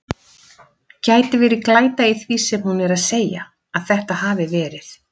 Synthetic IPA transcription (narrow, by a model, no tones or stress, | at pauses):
caːjt̪ɪvɪɾɪklaːjt̪aiθvisɛmhunɛɾaðseːja̰ | aðθɛht̪ahaːvɪvɛːɾɪθ